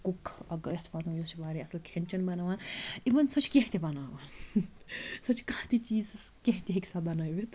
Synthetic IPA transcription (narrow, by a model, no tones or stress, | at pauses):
kukɐɡɐɐt̪ʰʋanũjot͡ʃʰibaːɾiɐsɨlkʰenʲt͡ʃɐnbɐnaːʋaːniʋɐnsɐt͡ʃʰi̥kẽɦt̪ibɐnaːʋaːn | sɐt͡ʃʰi̥kaːt̪it͡ʃiːzskẽɦt̪ʲeɦeksabɐnajʋit̪